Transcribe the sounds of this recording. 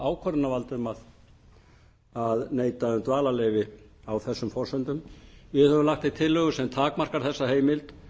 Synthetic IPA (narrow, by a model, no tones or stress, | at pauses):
aːwkʰɔɾnavalt̪ʏmað | aðneːjt̪aʏmt̪vaːlalejvɪ | awθɛsːʏmfɔrsʏnt̪ʏmjɛhɛvʏlaxt̪θejt̪ʰɪlːœɣʏsɛmt̪ʰaːkmar̥kaɾ̥θɛsːaheːjmɪlt̪